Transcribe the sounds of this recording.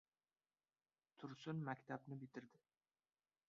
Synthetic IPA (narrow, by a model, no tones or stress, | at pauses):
t̪ʰʊɾsʊnmækʲt̪ʰabnɪbɪt̪ʰɪɾd̪ɪ